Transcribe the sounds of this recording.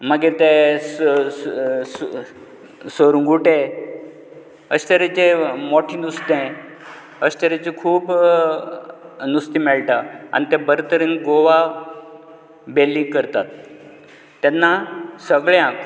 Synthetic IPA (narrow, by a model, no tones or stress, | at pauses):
maɡiɾt̪es | s | səɾũŋɡʱuʈe | əɕt̪əɾẽt͡ɕemoʈʰinust̪ẽ | əɕt̪əɾẽt͡ɕikʰuːb | nust̪imɛɭʈaa̰nit̪ɛ̃bəɾt̪əɾinɡoʋa | belːikəɾt̪at̪ː | ɛnːasəɡɭeãk